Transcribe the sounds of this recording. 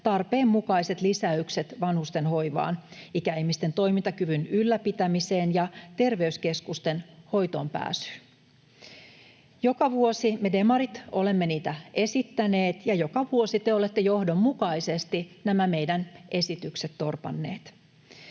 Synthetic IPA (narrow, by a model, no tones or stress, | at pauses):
t̪ɑrpeːmːukɑise̞t̪lisæykse̞t̪ʋɑnhust̪e̞nho̞jʋɑ̰ːnikæihmist̪e̞nt̪o̞imint̪ɑkyʋynylːæpit̪æmise̞ːnjɑt̪e̞rʋe̞yske̞skust̪e̞nho̞jt̪o̞ːmpæ̰ːsy̥ | jo̞kɑʋuosime̞de̞mɑɾit̪o̞le̞mːeniːt̪æe̞sit̪ːæneːt̪jɑjo̞kɑʋuo̞sit̪eole̞t̪ːejo̞hdo̞mːukɑise̞st̪inæmæme̞jdænʔe̞sit̪ykset̪t̪ːo̞rpɑ̰nːe̞ːt̪